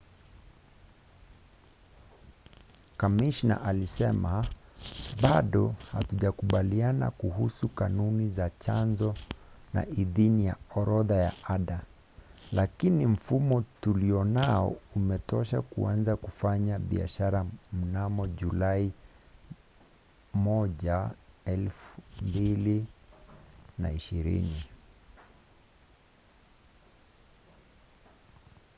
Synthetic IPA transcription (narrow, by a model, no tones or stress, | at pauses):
kamiʃna̰ʔalisɛma | ɓaɗɔha̰tuʄakuɓaliana̰kuɦusukanunizat͡ʃanzɔna̰ʔiðinija̰ɔɾɔðaja̰aɗa | lakinim̩fumɔtuliɔnaɔ̰umɛtɔʃakṵanzakufaɲaɓḭa̰ʃaɾam̩namɔʄulai | mɔʄaɛlfumbili | naiʃiɾḭni